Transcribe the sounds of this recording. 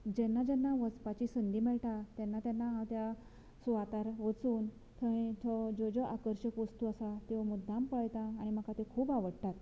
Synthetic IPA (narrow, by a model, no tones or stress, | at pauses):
d͡ʑɛnːad͡ʑɛnːaʋət͡spat͡ɕisənd̪ʱimɛɭʈ̪at̪janːat̪janːaɦãt̪ja | sʋat̪aɾʋət͡suːn | t̪ʰəĩt̪ʰɔd͡zod͡zɔʔakəɾɕəkʋəst̪uasat̪eʋmud̪ʱãmpəɭjt̪aːɽ̃im̤əkat̪ekʰuːbaʋəɽt̪at̪